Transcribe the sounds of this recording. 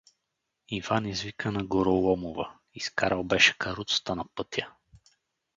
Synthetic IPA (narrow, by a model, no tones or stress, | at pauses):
invanizvikənɐɡoɾolˠɔmovə | iskaɾɐlˠbɛʃɛ̥kɐɾut̪st̪anɐpɤt̪ʲjə